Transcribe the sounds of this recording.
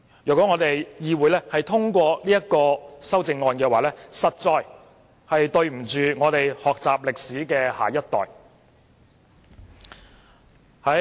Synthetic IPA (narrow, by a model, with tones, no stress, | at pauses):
jœ˨kʷɔː˨˥ŋɔː˨˧t̪e˨jjiː˧wuː˨˥jlɛː˥hɐ˨jt̪ʰʊ˥ŋkʷɔː˧liː˥jɐ˥t̚kɔː˧sɐ˥wt͡sɪ˧ŋːɔː˧nkɛː˧waː˨˩lɛː˥sɐ˨t̚t͡sɔː˧j | hɐ˨jt̪ɵ˧ɥm̩˨˩t͡ʃyː˨ŋɔː˨˧t̪e˨jhɔː˨k̚t͡saː˨p̚lɪ˨k̚siː˨˥kɛː˧ha̰ː˨˩jɐ˥t̚t̪ɔ̰ː˨˩j | hɐ˨˥